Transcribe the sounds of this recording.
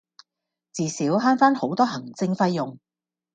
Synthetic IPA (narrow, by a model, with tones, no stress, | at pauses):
t͡siː˨siː˨˥wɦaː˥nfaː˥nho˨˥wt̪ɔː˥ɦɐ˨˩ŋt͡sɪ˧ŋfɐ˥jːʊ˨ŋ